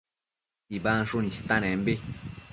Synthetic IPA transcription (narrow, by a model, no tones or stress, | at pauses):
ibaːnʃonist̪anɛ̃mbe